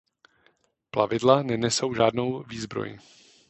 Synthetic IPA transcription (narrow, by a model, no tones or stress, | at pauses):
pla̰vɪdlanɛnɛso̞wʒaːdno̞wviːzbɾo̰jɪ̰